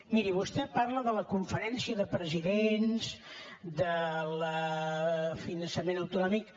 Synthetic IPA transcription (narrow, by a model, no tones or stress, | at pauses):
miɾiβust̪ɛparləðələkuɱfəɾɛnsiəðəpɾəziðenzd̪ələ | finənsəmenəwt̪unɔmik